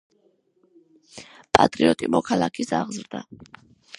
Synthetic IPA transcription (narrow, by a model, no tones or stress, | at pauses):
pʼa̰t̪ʼɾiɔt̪ʼimɔkʰalˠakʰisaʁzɾd̪a